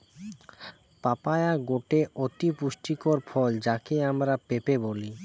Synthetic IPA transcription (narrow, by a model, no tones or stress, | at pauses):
papajaɡoʈeʔot̪ipuʃʈikoɾfʰɔld͡ʑakeamɾapepeboli